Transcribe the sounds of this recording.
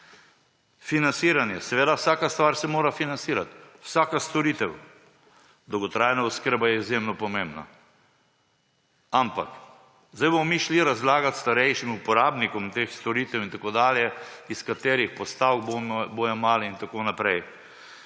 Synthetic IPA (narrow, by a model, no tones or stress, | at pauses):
finansiːɾanjɛsɛʋeːd̪awsaːkast̪ʋaːɾsɛmoːɾafinansiːɾat̪wsaːkast̪ɔɾiːt̪ɛw | d̪ɔwɡɔt̪ɾaːjnauskəɾbajɛizjemnɔpɔmembna̰ | ampak | zd̪ajbomɔmiʃliɾazlaːɡat̪st̪aɾɛjʃimupɔɾaːbnikɔmt̪exst̪ɔɾiːt̪ɛwint̪akoːd̪aːljɛiskat̪eːɾixpɔst̪awkbombojɔmaːlɛint̪akonapɾɛj